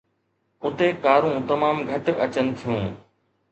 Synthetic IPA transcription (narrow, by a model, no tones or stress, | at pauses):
ʊt̪ekaːɾũːt̪ɐmaːmɡʱɐʈɐt͡ɕənɪ̆t̪ʰijũː